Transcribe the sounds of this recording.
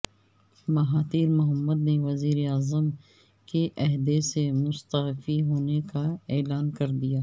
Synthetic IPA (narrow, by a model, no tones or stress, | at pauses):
mɐɦaːt̪iːɾmʊɦəmːəd̪neʋɐziːɾeaːzəm | keʔɐɦd̪esemʊst̪əɦfiɦoːnekaeːlaːnkɐɾd̪ijaː